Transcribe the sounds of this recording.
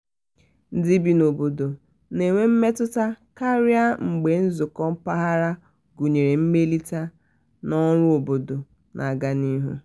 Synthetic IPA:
n̩˦di˦bi˨no˨bo˨do˨ | ne˨ŋʷe˦m̩˦me˦tʊ˦ta˦ka˦ɾja˦ŋ͡m̩˨ɡ͡be˨n̩˦zʊ˨kɔ˦m̩˦pa˦ɦa˦ɾa˦ | ɡu˨ɲe˨ɾe˨m̩˦me˦li˦ta˦ | nɔ˦ɾʊ˦o˨bo˨do˨ | nʔa˨ɡa˦ni˦ɦṵ˦

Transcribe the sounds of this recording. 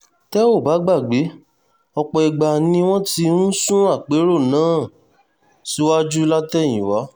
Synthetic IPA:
tɛ˦o˦˨ba˨˦ɡ͡ba˦˨ɡ͡be˨˦ | ɔ˧k͡pɔ˧i˧ɡ͡ba˧nĩ˦w̃ɔ̃˦ti˧nũ˦sũ˦a˦˨k͡pe˨˦ɾo˦˨nãː˨˦ | si˦wa˦d͡ʒu˦la˦tɛ˦˨j̃ĩ˨wa˨˦

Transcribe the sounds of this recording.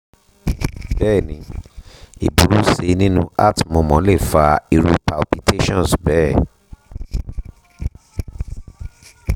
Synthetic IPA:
bɛː˦˨nĩ˧˦ | ḭ˨bu˨˦ɾu˦se˧nĩ˦nũ˦a̰˦˨tmɔ̃˨mɔ̃˨˦le˦˨fa˧i˧ɾu˧pa˨lpi˧tʰe˦ʃɔ̃˦˨sbɛː˦˨

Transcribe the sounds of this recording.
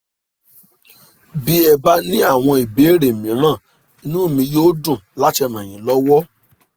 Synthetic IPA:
bi˦ɛ˧ba˦nĩ˦a˦˨w̃ɔ̃˧i˨be˨˦ɾe˨mĩ˨˦ɾ̃ãː˦˨ | i˧˦nũ˦˨mĩ˧joː˦dũ˦˨la˦tɛ˧mã˨j̃ĩ˨˦lɔ˦wɔ˦

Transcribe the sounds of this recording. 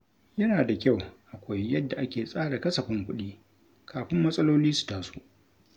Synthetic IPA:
jɐ˦naː˨da˨kʲa˦˨wʔa˨kʷa˦jːɐ˦dːa˨ʔa˦kʲeː˨sʼaː˦ɽa˨kɐ˦sɐ˨ɸɪ˦ŋkʷʊ˦ɗiː˦ | kʰaː˨ɸɪ˦mːɐ˦sʼɐ˦loː˦liː˦su̥˨taː˦su˦ʔ

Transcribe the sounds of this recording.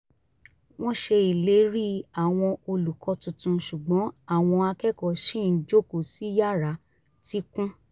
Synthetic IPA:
w̃ɔ̃˦ʃe˧i˨le˨˦ɾi˦a˨w̃ɔ̃˧o˧lu˨kɔ˨˧tũ˨tũ˧ʃu˨ɡ͡bɔ̃˨˦a˦˨w̃ɔ̃˧a˧kɛ˦kɔ˨ʃĩ˦˨n̩˦d͡ʒo˦ko˨si˨˦ja˦˨ɾa˨˦ | ti˦kũ˦

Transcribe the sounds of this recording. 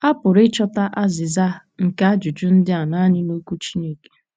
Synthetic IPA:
a˦pʊ˨ɾɪ˦t͡ʃɔ˦ta˦ʔa˦zɪ˨za˦ | ŋ̩˨ka˦a˦d͡ʒu˨d͡ʒʊ˦n̩˦dɪ˦a˨na˦ɲɪ˦no˦kʷu˦t͡ʃi˦ne˦ke̥˨

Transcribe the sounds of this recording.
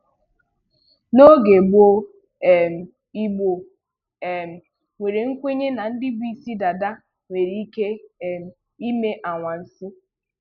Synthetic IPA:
no˦ɡe˨bo˦ | e˨m̩˨ | i˦ɡ͡bo˨ | e˨m̩˨ | ŋʷe˨ɾe˨ŋ̩˦kʷe˦ɲe˦na˨n̩˦dɪ˦bi˦si˦da˨da˦ | ŋʷe˨ɾi˦i˦ke˦˨m̩˨ | i˦me˦ʔa˨ŋʷa˨n̩˨sɪ˦

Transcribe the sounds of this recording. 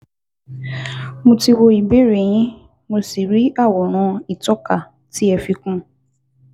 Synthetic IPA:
mõ˧ti˧wo˧i˨be˦ɾe˨j̃ĩ˦ | mo˧si˨ɾi˦a˦˨wɔ˨ɾ̃ɔ̃˧˦i˨tɔ˦ka˨ | ti˦ɛ˧fi˦kũ˦

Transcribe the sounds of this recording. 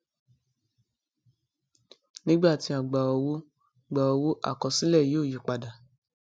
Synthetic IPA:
nĩ˦ɡ͡ba˦˨ti˧a˨ɡ͡ba˨ɔ˨wo˦˨ | ɡ͡ba˨ɔ˨˧wo˦ʔa̰˦˨kɔ˨si˦lɛ˦˨joː˦˨ju˨k͡pa˨da˨

